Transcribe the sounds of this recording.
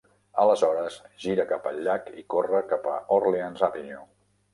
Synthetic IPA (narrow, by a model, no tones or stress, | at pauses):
ələzɔɾəsʒiɾəkapə̰ʎːakikorəkapə̰orleanzapinju